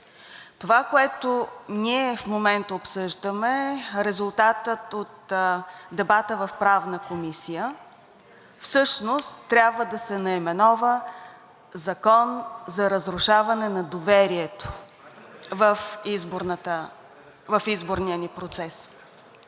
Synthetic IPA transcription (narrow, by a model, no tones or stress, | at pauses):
t̪ovakoɛt̪oniɛfmomɛnt̪əopsɤʒd̪əmɛɾɛzʊlˠt̪at̪ət̪ot̪ | d̪ɛbat̪əvɐfpɾavnəkomisijə | fsɤʃnost̪ːɾʲabvəd̪ɐsɛnɐimɛnɔvə | zɐkɔnzɐɾəzɾʊʃavɐnɛnɐd̪ovɛɾiɛt̪o̥ | vəfizboɾnət̪ə | vəfizboɾnijənipɾot̪sɛs